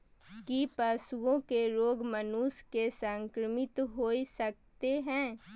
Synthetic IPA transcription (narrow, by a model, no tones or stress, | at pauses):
kipɐsuwõkeɾoːɡmɐnuskesə̃ŋkɾəmɪt̪ɦoːisɐk̚t̪eɦɛ̃ː